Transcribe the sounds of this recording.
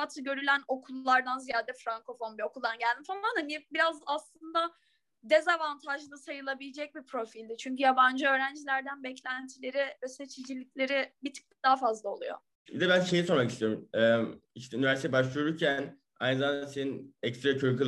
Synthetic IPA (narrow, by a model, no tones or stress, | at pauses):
at̪ʰɯɟø̞ɾylʲæno̞kʰulˠːaɾd̪anzijaːd̪ɛfɾaŋko̞fo̞nbio̞kʰulˠd̪anɟælʲd̪imfamanhanɪbiɾazaslˠɯnd̪a | d̪ezavant̪ʰaʒɯnɯsajɯlˠabilʲid͡ʒɛc̚bipʰɾo̞filʲd̪ɪt͡ʃʰyɲcyjaband͡ʒɯø̞ːɾænd͡ʒilʲæɾd̪ænbɛclʲænt̪ʰilʲe̞ɾiøsɛt͡ʃʰid͡ʒilʲːiclʲe̞ɾɪbit̪ʰɯ̥k̪̚ɯ̥d̪aɦafazlˠaolˠṵjo̞̰ | bid̪ɛbænʃe̞jiso̞ɾmakist̪ʰijo̞ɾumɛiʃt̪ʰɛynivæɾsit̪ʰɛbaʃlˠɯjoɾuɾcʰæn | a̰jnɯzamand̪aseninɛkst̪ɾakʰyɾky